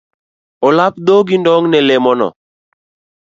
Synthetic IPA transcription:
olap̚d̪oɡindɔŋnɛlɛmɔnɔ̰

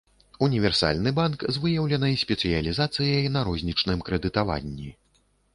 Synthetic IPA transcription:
unʲivʲɛrsa̰lʲnɨbankzvɨjɐwlʲɐnɐisʲpʲɛt̪sɨjɐlʲizat̪sɨjɐjnɐɾɔzʲnʲit͡ʂnɨmkɾɛd̪ɨt̪ava̰nʲːi

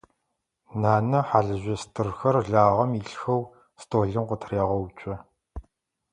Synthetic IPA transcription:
naːnɐħaɮɨʑɐstʰɨrxɐrɮaːʁɐmiɬxɐw | stʰʼoːɮɨmqʷʊtʰraːʁɔwt͡ʃʼɐ

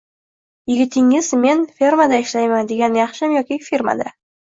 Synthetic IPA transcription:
jɪɡʲɪt̪ʰɪŋɪzme̞nfʲe̞ɾmad̪aɪʃlajmand̪e̞ɡʲanjɑχʃɪmjɒkʲifeɾma̰d̪a

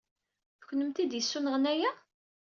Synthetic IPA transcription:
θəçnəmt̪id̪jəsːunəʁənæjæ

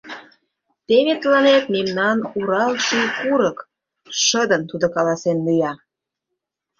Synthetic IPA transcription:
t̪eβet̪əlɑnet̪̚memnɑnuɾɑlʃikuɾək | ʃəd̪ənt̪ud̪okɑlɑsenlyjɑ

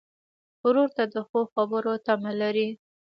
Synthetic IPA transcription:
ʊɾoɾt̪ad̪əxoxabəɾot̪amalaɾi

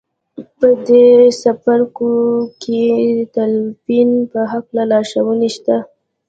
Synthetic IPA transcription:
pəd̪esafaɾkoket̪alfinpəɦaklalɑʃawəniʃt̪a

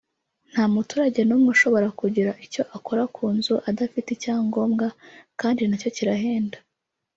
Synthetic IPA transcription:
n̥haːmutuːɾaɟe̞nuːmŋeʃo̞βo̞ɾakuɟiɾaʔico̞ʔako̞ɾakʰuːnzuʔadafiticaːŋɡo̞ːmɡakaːndinaco̞ciɾaɦeːnda

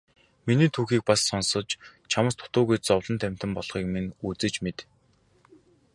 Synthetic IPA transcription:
miniːt̪ʰuːxiːk̚pasːɔnsɞ̆t͡ɕt͡ɕʰamə̆st̪ʰʊ̥t̪ʊːɣujt͡sɔwɮɞ̆nt̪ʰæm̥ʲt̪ɘ̆mpɔɮ̥χiːk̚menuːt͡sɘ̆t͡ɕmet̪

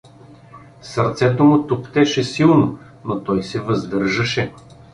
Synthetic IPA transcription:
sɐɾt̪sɛt̪omʊt̪ʊpt̪ɛʃɛsilˠno | not̪ɔjsɛvɐzd̪ɤɾʒɐʃɛ

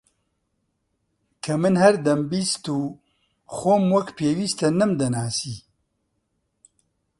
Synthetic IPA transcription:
kʰɐmɨnhɐɾd̪ɐmbiːst̪uː | xoːmwɐkpʰeːwiːst̪ɐnɨmd̪ɐnaːsiː

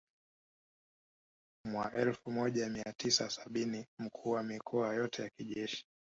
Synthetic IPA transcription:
mwaʔɛlfumɔʄamiatisasaɓinim̩kʰuːwamikʰɔajɔtʰɛjakiʄɛʃi̥

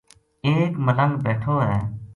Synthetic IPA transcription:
eːkmələ̃ŋɡbɛːʈʰoːɦɛː

